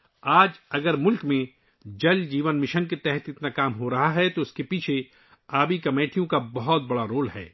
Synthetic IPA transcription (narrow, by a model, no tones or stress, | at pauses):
aːd͡ʒɐɡəɾmʊlkmẽ | d͡ʒɐld͡ʒiːʋənmɪʃənket̪ɛɦɛt̪ɪt̪nakaːmɦoɾɐɦaɦɛt̪oʊskepiːt͡ʃʰe | aːbikɐmeːʈʰijõkabɐɦɔt̪̚bɐɽaɾoːlɦɛ̰ː